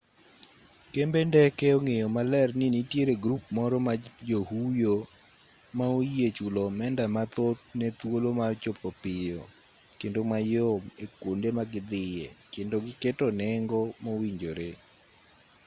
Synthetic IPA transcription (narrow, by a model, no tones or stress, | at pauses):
kembendɛkɛoŋejɔmalɛrninitjeɾeɡɾup̚mɔɾɔmad͡ʒohujo | maojiet͡ʃulɔmɛndamat̪ot̪̚nɛt̪wolomart͡ʃopɔpɪjɔ | kendomajomekwondemaɡɪd̪ɪjɛkendoɡɪketɔnɛŋɡɔmowiɲd͡ʒoɾe